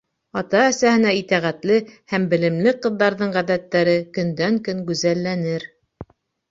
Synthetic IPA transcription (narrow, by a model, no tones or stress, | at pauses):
ɑt̪ɑæsæhɘ̆næit̪æʁæt̪lɘhæmbɘ̆lɘ̆mlɘqɤ̆ðːɑɾðɤɴʁæðæt̪ːæɾɘkɵ̆nd̪æŋkɵŋɡɵzælːænɘɾ